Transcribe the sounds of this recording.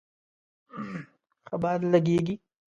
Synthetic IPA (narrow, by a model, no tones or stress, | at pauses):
xɐbaːɾlɐɡieːɡiː